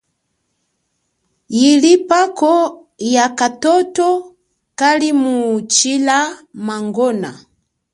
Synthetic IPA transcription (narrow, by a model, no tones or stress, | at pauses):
jilipakɔ | jakatɔtɔ | kalimut͡ʃilamaŋɡɔna